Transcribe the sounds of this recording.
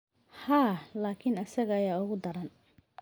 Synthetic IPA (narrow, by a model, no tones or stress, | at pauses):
haːlaːkʰɪnɐsɐɣɐːjaːʊɣʊd̪ɐɾɐn